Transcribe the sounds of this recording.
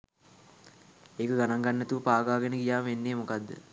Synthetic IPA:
eːkəɡanaŋɡanːet̪uʋəpaːɡaːɡenəɡijaːmʋenːeːmokad̪ːə̰

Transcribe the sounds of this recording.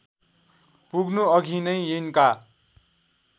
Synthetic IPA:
puɡnuʌɡʱinʌjjenka

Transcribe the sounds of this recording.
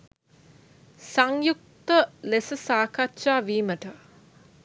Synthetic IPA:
saŋjuk̚t̪əlesəsaːkʰat̪ːʃaːʋiːməʈə

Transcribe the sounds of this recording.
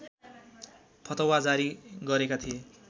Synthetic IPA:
pʰʌt̪ʌwad͡zaɾiɡʌɾekat̪ʰie

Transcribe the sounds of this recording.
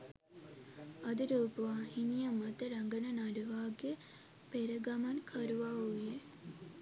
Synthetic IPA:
ɐd̪əɾuːpəʋaːinijəmɐt̪əɾaŋɡənənaɖuʋaːɡe | peɾəɡamankʰaɾuʋaːuʋije

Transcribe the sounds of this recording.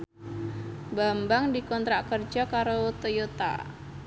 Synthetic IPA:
bambaŋdikɔnt̪ɾaʔkərd͡ʒɔkaɾoot̪ojot̪a̰

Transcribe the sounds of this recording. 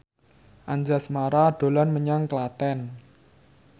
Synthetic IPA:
ʔaɲd͡ʒasmaɾaɖ̪̥o̤lanməɲaŋklat̪ɛn

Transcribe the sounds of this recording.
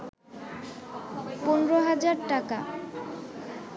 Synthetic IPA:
ponɾoɦad͡ʑaɾʈaka

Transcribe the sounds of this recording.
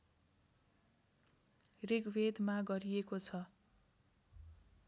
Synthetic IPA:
riɡwed̪maɡʌɾiekot͡sʰʌ

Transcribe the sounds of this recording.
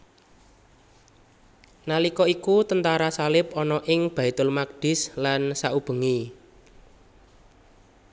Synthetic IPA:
nalikɔikut̪ənt̪aɾasalɪp̚ɔnɔʔɪŋb̥a̤it̪ʊlmak̚ɖ̥ɪ̤slansaub̥ə̤ŋi

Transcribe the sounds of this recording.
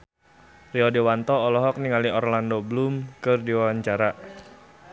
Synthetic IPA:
riɔdewant̪ɔːlɔɦɔk̚niŋaliɔrlandoblumkərdiwaaɲt͡ʃaɾaʔ

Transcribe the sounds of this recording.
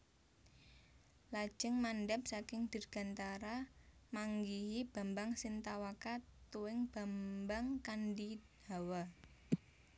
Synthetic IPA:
lad̥ʒ̥əŋmanɖɛp̚sakɪŋd̪̥ə̤rɡ̥a̤nt̪aɾamaŋɡiɦib̥a̤mbaŋsint̪awakat̪uwɪŋb̥a̤mbaŋkandid | a̤wa

